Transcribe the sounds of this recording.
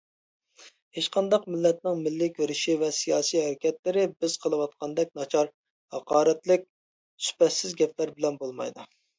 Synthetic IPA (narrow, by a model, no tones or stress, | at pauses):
het͡ʃqɑnd̪ɑqmɪlːɛt̪̚nɪŋmɪlːɪkʲʰøɾɪʃivɛsijɑːsiɦæɾɪkʲɛt̪lɪɾɪbɪz̥qʰəlˠɨwɑt̪̚qʰɑnd̪ɛk̚ʲnɑt͡ʃʰɑɾ | hɑqɑːɾɛt̪lɪk̚ʲ | sy̥pɛsɪzɡʲɛpʰlæɾbɪlɛnbolˠmɑ̰jd̪u